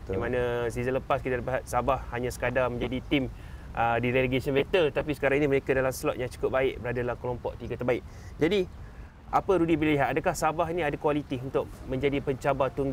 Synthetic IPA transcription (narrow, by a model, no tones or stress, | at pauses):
dimanãsizələpaskit̪aləpiɦat̪̚sabahhaɲãsə̥kadaməɲd͡ʒadit̪im | ʔədiɾeleɡesənmet̪əlt̪apisə̥kaɾãŋinĩməɾekadalamslɔʔ̪jaŋt͡ʃu̥kʊp̚baɪʔbəɾadalahkəlompɔ̰ʔt̪iɡat̪ərbaɪk̚ | d͡ʒadi | ʔapəɾudibilliɦat̪̚adakahsabaɦinĩadakualit̪iunt̪ʊk̚mə̃ɲd͡ʒadipəɲt͡ʃabat̪uŋɡ